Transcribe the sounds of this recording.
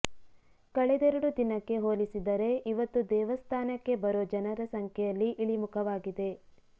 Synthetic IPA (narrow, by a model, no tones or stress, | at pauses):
kɐɭɛd̪ɛɾɐɽud̪inɐkːe̞ɦoːlisid̪ɐɾe̞ʔiʋɐt̪ːud̪ɛːʋɐst̪ʰaːnɐkːe̞bɐɾoːd͡ʒɐnɐɾɐsɐŋkʰɛjɐlːiʔiɭimukʰɐʋaːɡid̪e̞